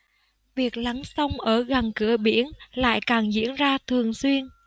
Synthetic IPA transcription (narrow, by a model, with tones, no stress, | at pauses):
vi˨˩ək̚la˨˦ŋsə˧wŋ͡mʔəː˧˩ɣa˨˩nkɨ˧˩əɓi˧˩ənla̰ː˧˨jkaː˨˩ŋzḭ˧˥ənzaː˧t̪ʰɨ˨˩əŋswi˧ən